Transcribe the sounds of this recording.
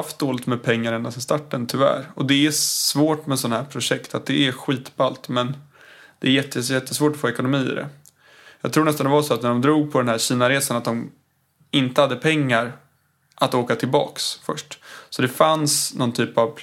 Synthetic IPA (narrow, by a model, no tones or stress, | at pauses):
ft̪̚d̪oːlɪt̪mɛːd̪̚pʰɛŋːaɾɛnd̪asɛnst̪aʈːənt̪ʰʏvæ̰ːɾɔd̪ɛæsvoːʈmɛsɔnːaɦæːpʰɾʊʂɛkt̪at̪̚d̪ɛʔæɾɧiːt̪balt̪mɛn | d̪̥ɛæɾjɛt̪ʰːəjɛt̪ʰːəsvoːʈɔfoːɛkʊnʊmiːɪ̰d̪ɛ̰ | jɑːɡt̪ʰɾuːɳnɛst̪and̪ɛvasɔat̪næɖɔmd̪ɾuːɡ̚pʰɔd̪ɛnɦæːɾɕiːnaɾeːsanat̪̚d̪ɔm | ɪnt̪əhad̪ːəpʰɛŋːaɾ | ʔat̪oːkat̪ʰɪlbɑ̰ːksfœʂʈsɔd̪ɛfansnɔnt̪ʰyːpav